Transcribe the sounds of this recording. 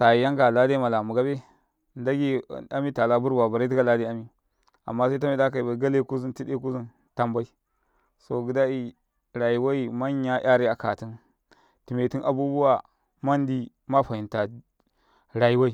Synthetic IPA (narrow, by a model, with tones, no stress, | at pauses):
sa˨ji˨ja˦ŋɡa˨la˦da˦ma˨la˨mu˨ɡa˦be˦ | nda˦ɡi˦a˦mi˦ta˨la˦bu˦ɾba˨ba˨ɾi˦t̬i˦ɡa˦la˦de˦a˦mi˨ | a̰˨mːa˦sa˦t̬a˦mi˦da˦k̬a˨i˨ba˨ɡa˦le˦˨ku˦zi˦nti˦e˦k̬u˦zi˦n | ta˦mba˦i˦ | so˨ɡi˨˦da˦i˦ | ɾa˨ji˨wa˦i˦ma˦ɲ˦a˦ʔa˦ɾi˦a˨ka˨ti˦n | ti˨me˨ti˦nʔa̰˨bu˦bu˦wa˨ | ma˦n˦di˦ | ma˦ɸa˨ji˨nta˨ | ɾa˨ji˦wa˦i˦